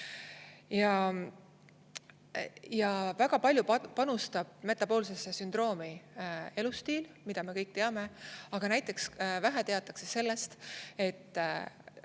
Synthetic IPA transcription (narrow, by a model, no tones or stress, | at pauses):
jɑ | jɑvæɡ̥ɑpɑlʲjupɑnust̪ɑb̥̚me̞t̪ːˑɑpo̞ːlsesːesynd̪̥ro̞ːmie̞lust̪iːlmid̪ɑme̞kɤjk̚ːt̪e̞ɑme̞ɑɡ̥ɑnæjt̪ːˑe̞ksvæɦet̪e̞ɑt̪ːˑɑkse̞se̞lːe̞st̪e̞t̪ːˑ